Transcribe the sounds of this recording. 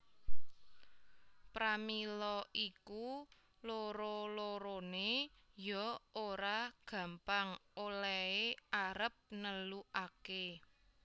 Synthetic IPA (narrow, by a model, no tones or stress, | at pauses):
pɾamilɔʔiku | loɾoloɾonejɔoɾaɡ̥ä̤mpaŋolɛeaɾəp̚nəluʔake